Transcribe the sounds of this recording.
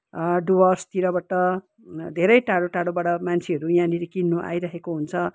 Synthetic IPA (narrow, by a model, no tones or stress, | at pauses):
ɖuwʌrst̪iɾʌbaʈʌ | d̪ʱeɾʌjʈaɽoʈaɽobaɽʌmant͡sʰeɦʌɾujãniɾikinːoʔa̰jɾʌɦekoɦunt͡sʰʌ